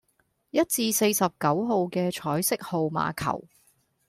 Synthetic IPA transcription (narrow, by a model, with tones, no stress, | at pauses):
jɐ˥t̚t͡siː˧se˧jsɐ˨p̚kɐ˨˥wɦo˨wkɛː˧t͡ʃʰɔː˨˥jsɪ˥k̚ho˨wma̰ː˨˧kʰɐ̰˨˩w